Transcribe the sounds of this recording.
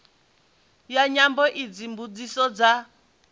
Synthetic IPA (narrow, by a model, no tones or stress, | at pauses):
jaɲambɔʔid͡zimbud͡zisɔd͡za